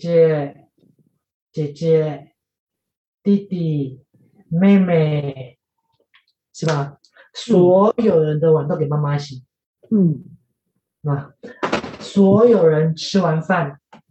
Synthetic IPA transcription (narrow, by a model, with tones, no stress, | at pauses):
t͡ɕɛ˧˦ | t͡ɕɛ˨˩t͡ɕɛ˧˦ | t̪i˥˧t̪i˨˩ | me˥˧me˨˩ | ʂɻ̩˥˩ba˨ | swɔ˧˦jo˨˩ʊɻə˧˦nd̪ə˧˨wa˧˦nt̪o˥˦˨ke˨˩ma˥ma˧ɕi˨˦ | ʂ̩˥˩ba˨ | swɔ˧˦˥jo˨˩ʊɻə˧˦nʈ͡ʂʰɻ̩˥wa˨˧˥nfa˥˨n